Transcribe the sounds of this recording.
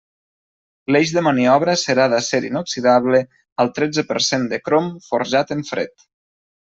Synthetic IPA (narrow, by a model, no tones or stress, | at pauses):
leʒðəməniɔβɾəsəɾaðəseɾinoksiðaβlə | əlˠt̪ɾɛd͡zəpəɾsend̪əkɾomfoɾʒat̪əɱfɾḛt̪